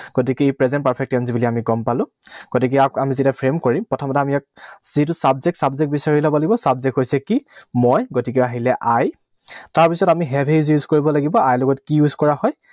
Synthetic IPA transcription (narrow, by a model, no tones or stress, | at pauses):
ɡ̥ot̬ikɛepɹɛzɛnt̚paɹpʰɛk̚tɔnzibiliamiɡɔmpalʊ̃ | ɡ̥otik̬ɛakamizitapʰɹemkoɹimpɹɔtʰɔmɔtɛamiak̚z̥it̬ʊsabzɛk̚tsabzɛk̚bisaɹilɔbɔlaɡibɔsabzɛkɦojsɛkimɔjɡotik̬ɛaɦilɛʔaj | taɹpisɔtamiɦɛbʱejuzjuzkoɹibɔlaɡibɔajlɔɡɔtkijuzkɔɹahɔj